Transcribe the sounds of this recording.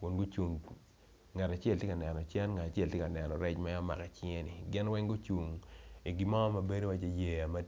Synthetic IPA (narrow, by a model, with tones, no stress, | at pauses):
kʊ˨nɡʊ˦t͡ʃu˨ŋ | ŋa˨ta˨t͡ʃɛ˦ltje˦ka˨nɛ˨nɔ˨t͡ʃɛ˦nŋa˨ta˨t͡ʃɛ˦ltjka˨nɛ˨nɔ˨ɾɛ˦t͡ʃma˦ja˦ma̰˨kɛ˨t͡ʃi˦e˦ni˨ɡɪ˦nwɛ˦ŋɡʊ˦t͡ʃu˨ŋi˨ɡi˨˦ma˦mɐ˨be˦ɾi˦wa˦t͡ʃe˨je˨a˨ma˦